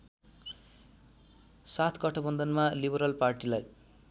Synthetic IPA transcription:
sat̪ʰkʌʈʰʌbʌnd̪ʌnmalibʌɾʌlparʈilaj

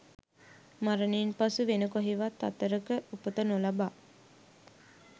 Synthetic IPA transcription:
maɾənenpasuʋenəkoɦiʋat̪ːat̪əɾəkəʔupət̪ənolaba

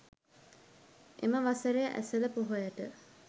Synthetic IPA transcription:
ʔeməʋasəɾejəʔæ̰sələpoɦojəʈə

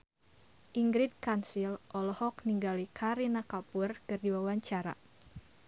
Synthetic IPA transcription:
ʔiŋɡɾɪd̪̚kansilʔɔlɔhɔkniŋɡalikʰaɾinakapurkɨrdiwawaɲt͡ʃaɾa̰

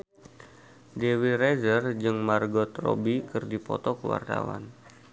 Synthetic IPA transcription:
dewirezərd͡ʒɨŋmarɡɔt̪ro̰bikɨrdipɔ̰t̪ɔkəwa̰rt̪a̰wa̰n

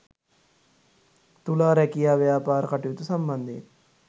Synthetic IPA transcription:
t̪ulaːɾɛkijaːʋjaːpaːɾɐkɐʈujut̪usɐmbɐnd̪ʱi

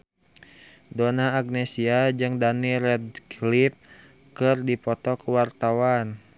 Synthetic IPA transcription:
donaːɡ̚nɛsiad͡ʒɨŋdaniɾɛdklip̚ | kɨrdipɔt̪ɔkuwart̪awan

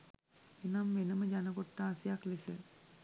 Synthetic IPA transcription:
enamʋenəməd͡ʒanəɡoʈːaːsijaklisə

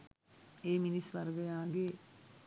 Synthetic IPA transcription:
eːminisʋɐrɡɐjaːɡe

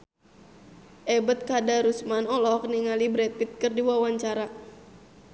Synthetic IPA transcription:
ʔɛbət̪̚kadaɾusmanɔlɔkniŋalibɾɛt̪̚it̪̚kɨrdiwawaɲt͡ʃaɾa

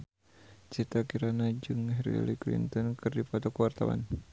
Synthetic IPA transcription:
t͡ʃit̪akiɾanad͡ʒɨŋhɛɾḭa̰liklḭnt̪ɔnkʰɨrdifɔt̪ɔkəwart̪awa̰n

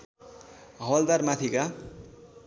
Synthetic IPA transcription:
ɦʌld̪armat̪ʰika

